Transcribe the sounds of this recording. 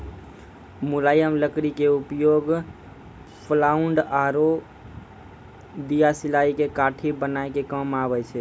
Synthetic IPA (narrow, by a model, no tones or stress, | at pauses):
mulajəmləkɾikeupjoɡ | pʰlauɳɖaɾo | d̪ijasilaikekaʈʰibənaekekəmabət͡ʃʰɛ